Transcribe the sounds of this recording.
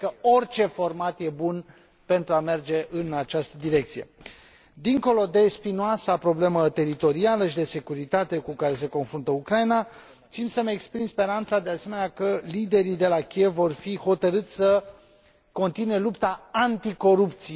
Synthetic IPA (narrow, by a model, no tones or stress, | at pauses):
kəo̞rt͡ʃe̞fo̞rmat̪je̞bun | pe̞nt̪ɾuame̞rd͡ʒe̞ʔɨnat͡ʃast̪əd̪iɾe̞k̚t̪sije̞ | d̪iŋko̞lo̞d̪e̞spinuasapɾo̞ble̞mət̪e̞ɾit̪o̞ɾialəʃid̪e̞se̞kuɾit̪at̪e̞kukaɾe̞se̞ko̞nfɾunt̪əukɾaina | t̪simsəmekspɾimspe̞ɾant̪sad̪e̞ase̞me̞neakəlid̪e̞ɾid̪e̞lakʲie̞vːo̞rfiho̞t̪əɾɨt̪sʲsə | ko̞nt̪inue̞lupt̪aant̪iko̞ɾup̚t̪si